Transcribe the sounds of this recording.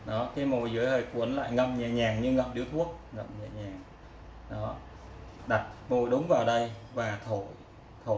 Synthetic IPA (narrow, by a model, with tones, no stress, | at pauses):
ɗɔ˨˦kaː˧˨˦mo˨˩jzɨ˨˦əjhəː˨˩jku˨˦ənla̰ː˧˨jŋə̰˧˨m̚ɲaː˨˩ɲaː˨˩ŋɲɨ˧ŋə̰˧˨m̚ɗi˨˦əwt̪ʰu˦˥ək̚ŋə̰˧˨m̚ɲaː˨˩ɲaː˨˩ŋ | ɗɔ˨˦ | ɗa˨˩t̚mo˨˩jɗʊ˨˦wŋ͡mvaː˨˩wɗə˧jvaː˨˩t̪ʰo˧˩˨j | t̪ʰo˧˨